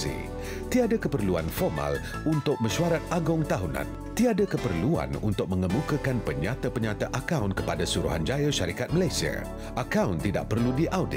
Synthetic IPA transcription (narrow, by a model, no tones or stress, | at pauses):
ḭ | t̪iadakəpərluanfɔrma̰l | unt̪ʊk̚mə̃ʃuaɾat̪̚aɡʊŋt̪aɦunã̰n | t̪iadakəpərlua̰nṵnt̪ʊk̚mə̃ŋəmukəkanpəɲat̪apəɲat̪aʔakawnkə̥padasuɾṵɦand͡ʒajaʃaɾikat̪̚məlajsia̰ | ʔakawnt̪ida̰ʔ̚pərludiʔawdɪ̰t̚